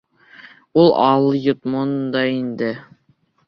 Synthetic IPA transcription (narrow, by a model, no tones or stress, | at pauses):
ulˠɑlˠjŏt̪mond̪ɑind̪ɘ